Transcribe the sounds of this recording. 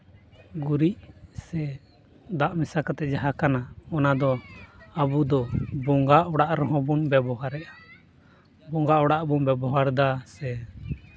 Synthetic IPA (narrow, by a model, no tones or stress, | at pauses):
ɡuɾiʔsɛ | d̪aʔmisakat̪ɛd͡ʒaɦakanaɔnad̪ɔabud̪ɔbɔŋɡaʔɔɽaʔɾɔɦɔ̃bunbɛbɔɦaɾɛʔa | bɔŋɡaʔɔɽaʔbunbɛbɔɦaɾd̪asɛ